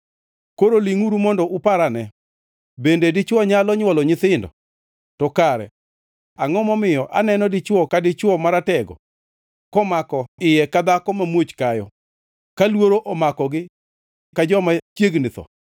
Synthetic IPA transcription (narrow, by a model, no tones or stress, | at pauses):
koɾoliŋuɾumɔndɔʔʊpaɾanɛ | bendedɪt͡ʃwɔɲalɔɲwɔlɔɲɪt̪ɪndɔ̰ | tɔkaɾɛ̰ | aŋɔmɔmɪjɔʔa̰nɛnɔdɪt͡ʃwɔkadɪt͡ʃwɔmaɾatɛɡɔ̰ | kɔmakɔɪjɛkad̪akɔmamwot͡ʃkajɔ̰ | kalwoɾoʔɔmakɔɡɪ | kad͡ʒɔmat͡ʃjeɡnɪt̪ɔ̰